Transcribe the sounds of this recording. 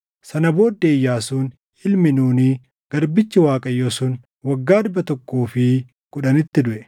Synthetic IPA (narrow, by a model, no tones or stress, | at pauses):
sɐnɐbo̞ːd̪ːeːjːaːsuːn | ɪlmɪnuːniː | ɡ̥ɐɾbɪt͡ʃːɪwaːkʼɐjːosʊːn | wɐɡːaːd̪ʊbɐt̪ɔkːoːfɪ | kʼʊᶑɐnɪt̪ːɪd̪ʊʔɛ̥